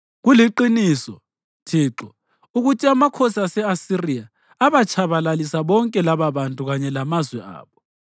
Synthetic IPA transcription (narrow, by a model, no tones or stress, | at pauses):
ɣuliǃinisɔ̰ | tʰiːǁɔ | uɣutʰiamakʰɔsasɛasiria | aβat͡ʃʰʼaβalalisaβɔŋkʼɛlaβaβantʼuɣaɲɛlamazwɛa̰ːβɔ